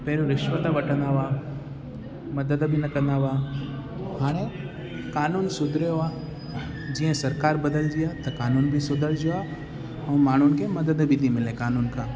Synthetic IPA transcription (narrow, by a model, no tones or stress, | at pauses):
pɛɦɾuɾɪʃʋət̪əʋɐʈʰə̃nd̪aːʋaː | mɐd̪əd̪bʱinɐkɐ̃nd̪aːʋaː | haːɽ̃e | kaːnuːnsʊd̪ʱɾejoaː | d͡ʒiːə̃sɐɾkaːɾbɐd̪əld͡ʒijat̪ɐkaːnuːnbʱisʊd̪əld͡ʒoa | ɐ̃maːɳ̤ʊnkemɐd̪əd̪bʱit̪ʰĩmɪlẽkaːnuːnkãː